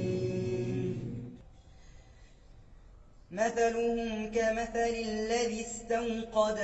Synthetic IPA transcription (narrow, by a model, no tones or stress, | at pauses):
maθalʊhʊmʊkamaθalɪlːaðist̪aŋqɑd̪